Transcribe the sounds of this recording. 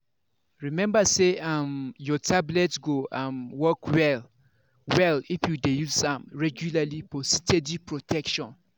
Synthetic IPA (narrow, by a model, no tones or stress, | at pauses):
ɹimɛ̃mbaseãmjɔtʰablɛtɡoʔãmwɔkʰwɛl | wɛlifjudejuzsãmɹɛɡjulalipʰɔsitʰedipʰɹotʰɛkʃɔ̃n